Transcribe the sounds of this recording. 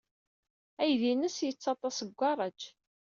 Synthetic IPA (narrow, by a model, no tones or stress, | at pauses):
æjðinəsjət͡sːɑt̪ˤɑsəɡʷɑɾˤɑd͡ʒ